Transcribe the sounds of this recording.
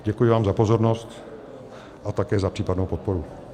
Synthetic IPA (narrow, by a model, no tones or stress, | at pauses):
ɟɛkujɪvaːmzapo̞zo̞ɾnost̪ | ʔat̪akɛːzapr̥iːpadnowpot̪̚po̞ɾu